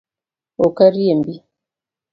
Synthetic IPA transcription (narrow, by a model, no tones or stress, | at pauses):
okaɾijembi